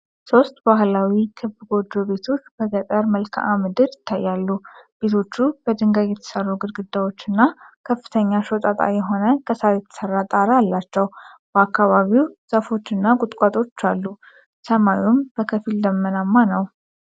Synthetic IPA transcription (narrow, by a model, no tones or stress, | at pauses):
so̞st̪bahlawikʰɨbɡo̞d͡ʒːo̞βe̞t̪ʰo̞t͡ʃːbəkʼət̪ʼəɾməlkʰʔamɨd̪ɨɾjɪt̪ʰːajːalːub̥e̞t̪ʰo̞t͡ʃːubəd̪ɨŋɡajɛt̪ʰə̥sərːuɡɨd̪ɡɨd̪ːawo̞t͡ʃːɨnːakʰəfːɨ̥t̪ʰəɲːaʃot̪ʼat̪ʼa̰jɛɦo̞nəkʰəsajɛt̪ʰə̥sərːat̪ʼaɾəalːat͡ʃːɛwb̥əakːaβaβiwz̥afo̞t͡ʃːɨnːakʼʊt̪ʼkʼat̪ʼo̞t͡ʃːalːu | səmajumb̥əkʰəfild̪əmːənamːanəw